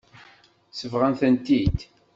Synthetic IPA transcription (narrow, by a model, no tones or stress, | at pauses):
səvʁænθənt̪id̪